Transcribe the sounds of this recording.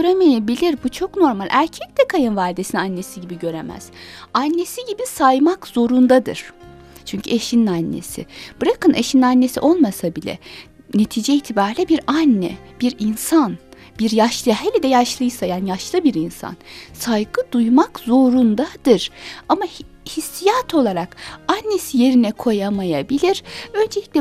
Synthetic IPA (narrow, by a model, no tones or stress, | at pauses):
øɾemejebilʲiɾbut͡ʃʰo̞kno̞ɾmalʲʔæɾcʰɛc̚t̪ɛkʰajɯnvaːlʲd̪esinanːe̞siɟibiɟø̞ɾemæ̰z̥anʲːe̞siɟibisajmakz̥o̞ɾund̪ad̪ɯ̰ɾ̥ | t͡ʃʰyɲcʰyeʃininanːḛsḭb̥ɯɾakɯnʔeʃininanːe̞sḭʔo̞lˠmasabilʲɛ̰ | ne̞t̪ʰiːd͡ʒɛit̪ʰibaɾlʲɛbiɾanːɛ̰b̥iɾinsan | b̥iɾjaʃlˠɯɦelʲɛd̪ɛjaʃlˠɯjsajaːnijaʃlˠɯbiɾinsa̰nsajɡɯd̪ujmakzo̞ɾund̪ad̪ɯɾ̥ama | hisːijat̪ʰo̞lˠaɾakanːe̞sije̞ɾinɛkʰo̞jamajabilʲiɾ̥ø̞nd͡ʒelʲicʲlʲɛ